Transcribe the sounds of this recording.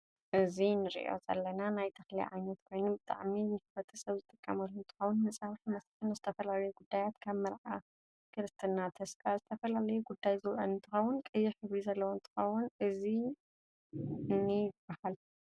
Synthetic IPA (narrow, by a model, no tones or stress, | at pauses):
ʔɨzinɨɾḭʔo̞̰zɐ̰lːɐnanajt̪ʰɐxlḭʕa̰jnɐt̪kʰo̞jnubɨt̪ʼa̰ʕminɨħɨfɐt̪ʰɐsɐβzɨt̪ʼɨkʼːɐmɐlːuɨnt̪ʰɨ̥xɐwʊnmɐsʼaβħimɐsħɨnɨzɨt̪ʰɐfɐlalɐjuɡud̪ːajat̪kʰaβmɐɾʕa | kʰɨɾɨst̪ʰɨnːat̪ʰɐskʼazɨt̪ʰɐfɐlalɐjuɡud̪ːajzɨwʔɐnɨnt̪ʰɨxɐwːʊnkʼɨjːɪħɨβɾizɐlːɐwont̪ʰɨ̥xɐwːʊnʔɨzi | nːɨjɪb̥ahal